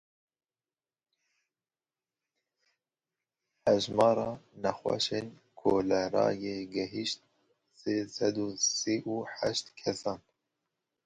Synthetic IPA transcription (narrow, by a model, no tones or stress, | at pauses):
hɛʒmɑːɾɑːnɛxwɛ̰ʃen | kʰoːlɛɾɑ̰ːjeːɡɛɦiʃt̪̚ | seːsɛd̪uːsiːʔuːħæʃt̪kʰɛsɑːn